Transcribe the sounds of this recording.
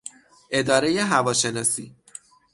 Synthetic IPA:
ʔe̞d̪ɒːɾe̞jeɦævɒːʃe̞nɒːsiː

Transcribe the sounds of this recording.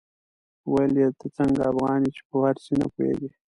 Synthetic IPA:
wajljet̪ʰət͡səŋɡaafɣɑnit͡ʃe̥pəwaɾsina̰puḛɡi

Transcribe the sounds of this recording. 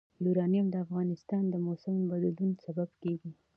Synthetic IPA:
juɾɑnjamd̪əafɣɑnɪst̪ɑnd̪əmosɪmbad̪lunsababkeɡi

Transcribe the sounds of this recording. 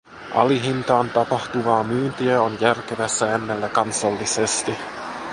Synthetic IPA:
ʔɑ̰liɦint̪ɑːnt̪ɑpɑht̪uʋɑːmyːnt̪iæonjærk̟eʋæsːæenːelːækɑnsɑlːisest̪i

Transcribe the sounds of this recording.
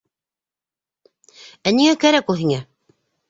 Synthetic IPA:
æniŋækæɾækuhiŋæ

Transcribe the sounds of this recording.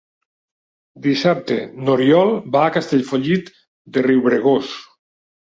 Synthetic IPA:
d̪isap̚t̪ḛnoɾjɔlˠbaːkast̪eʎfoʎit̪ | d̪eriwβɾeɣ̞os

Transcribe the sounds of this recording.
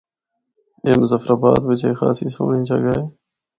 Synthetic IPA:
eːmzəfɾaːba̰ːt̪ʋɪt͡ʃeːxa̰ːsiːsoːɳĩːt͡ʃʰaːɡaːeː

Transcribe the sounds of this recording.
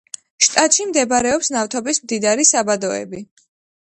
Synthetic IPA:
ʃt̪ʼat̪ʃimd̪ɛbɾɛɔpsnaft̪ʰɔbismd̪id̪aɾisabad̪ɔɛ̰bi

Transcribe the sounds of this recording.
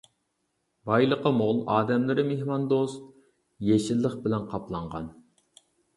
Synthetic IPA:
bɑjlˠəqəmolˠɑːd̪ɛmlɪɾɪmehmɑnd̪ost̪̚ | jeʃɪlːəχbɪlɛnqʰɑplˠɑɴʁɑ̰n

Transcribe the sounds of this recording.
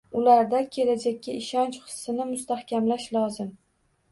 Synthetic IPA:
ʊlaɾd̪akʲʰe̞lad͡ʒak̚ʲːaɪʃɒnt͡ʃχɨ̥sːɪnɪmʊst̪ahkʲʰamlaʃlɒzɪm

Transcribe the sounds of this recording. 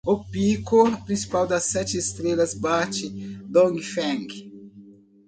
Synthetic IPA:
opikopɾĩsi̥pawd̪ɐsːɛt͡ʃɪest̪ɾelɐzbat͡ʃɪd̪õŋfɛ̃ŋɡ

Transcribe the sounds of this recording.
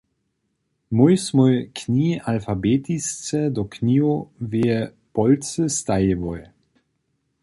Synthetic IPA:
mujsmɔjkʰnʲiːalfabet̪ist͡sɛd̪ɔknʲiːoveːɛpɔlt͡səst̪ajəvɔj

